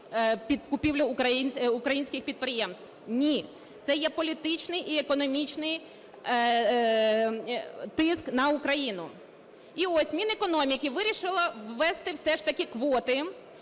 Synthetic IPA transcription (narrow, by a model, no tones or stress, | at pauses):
pʲid̪kʊpʲiwlʲʊkɐinʲʊkɾɐjinʲsʲkʲɪxpʲid̪̚pɾɪjɛmst̪wnʲi | t̪sɛjɛpɔlʲit̪ɪt͡ʃnɪjʔiekɔnɔmʲit͡ʃnɪj | t̪ɪsknɐʊkɾɐjinʊ | iɔsʲmʲinekɔnɔmʲikɪʋɪɾʲiʃɪlˠɐwːɛst̪ɪwsɛʃt̪ɐkʲɪkʋɔt̪ɪ